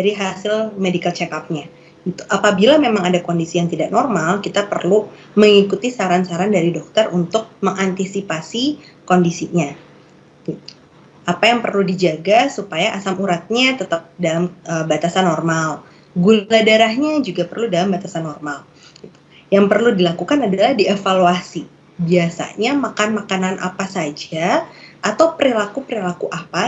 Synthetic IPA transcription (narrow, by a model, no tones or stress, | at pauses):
daɾiɦasɪlmedikalt͡ʃɛkap̚ɲa | ɡit̪u̥ʔapabilamemaŋadakondisijaŋt̪idaʔnɔrmalkit̪apərlu | məŋikut̪isaɾansaɾandaɾidɔk̚t̪ərunt̪ʊk̚məŋant̪isipasi | kondisiɲa | ɡit̪u̥ | ʔapajaŋpərludid͡ʒaɡasupajaʔasamuɾat̪̚ɲat̪ət̪əp̚dalaməbat̪asanːɔrmal | ɡuladaɾahɲad͡ʒuɡapərludalambat̪asanːɔrmal | ɡit̪u̥ | jaŋpərludilakukanadalahdiefaluasi | biasa̰ɲamakanmakananʔa̰pasad͡ʒaat̪awpəɾilakupəɾilakuʔapa